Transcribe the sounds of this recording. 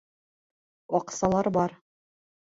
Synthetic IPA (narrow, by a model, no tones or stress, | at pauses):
wɑqsɑlˠɑɾbɑɾ